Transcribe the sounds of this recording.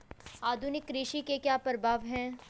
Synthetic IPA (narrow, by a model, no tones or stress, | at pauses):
aːd̪ʱʊnɪkɾiːʃikekjaːpəɾbʱaːʋɦɛ̃ː